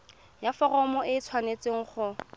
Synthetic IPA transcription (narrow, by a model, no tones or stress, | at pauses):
jafɔrɔmɔʔɪt͡sʰwanet͡sɪŋ̩χʊ